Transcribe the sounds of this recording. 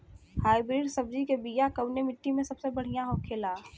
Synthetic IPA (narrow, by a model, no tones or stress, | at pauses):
haːibɾiːɖsɐb̚d͡ʒikebiːjakɐwnemɪʈːimẽsɐbsebɐɽ̤ijãɦoːkʰːeːlaː